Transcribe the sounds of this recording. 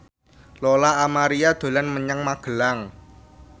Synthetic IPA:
lolaːmaɾiad̪̥o̤lanməɲəŋmaɡ̥əlaŋ

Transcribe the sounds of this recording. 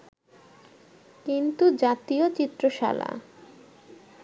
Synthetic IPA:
kint̪ud͡ʑat̪iot͡ɕit̪ːɾoʃa̰la̰

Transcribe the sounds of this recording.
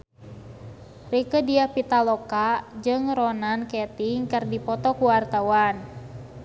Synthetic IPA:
rikədiahpit̪alɔkad͡ʒɨŋrɔnankɛt̪iŋkɨrdipɔt̪ɔkuwart̪awan

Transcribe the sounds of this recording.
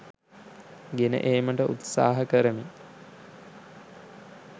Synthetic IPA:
ɡenə̰ʔeːməʈəʔṵt̪sa̰ːɦəkəɾəmi

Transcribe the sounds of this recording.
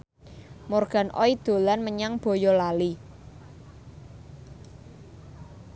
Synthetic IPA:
morɡ̥a̤nʔɔ̰id̪̥o̤lanməɲaŋb̥ɔ̤jɔlali

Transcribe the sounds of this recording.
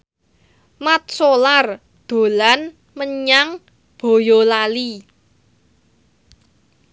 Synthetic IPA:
mat̪̚solar | d̪̥o̤lan | məɲaŋ | b̥o̤jolali

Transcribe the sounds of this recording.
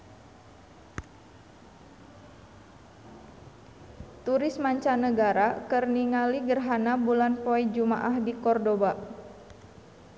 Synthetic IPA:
t̪uɾɪsmaɲt͡ʃanəɡaɾakərniŋaliɡərɦanabulanpoɛd͡ʒuma̰ʔahdikɔrdoba

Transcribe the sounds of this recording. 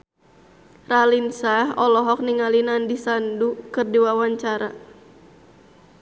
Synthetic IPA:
ralinsaɦɔlɔɦɔk̚niŋalinandisandukɨrdiwawaɲt͡ʃaɾa

